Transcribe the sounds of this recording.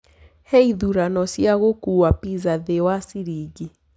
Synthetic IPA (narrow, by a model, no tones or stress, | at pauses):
heiðuɾanɔsjaɣokuwapizaðewasiɾiɡi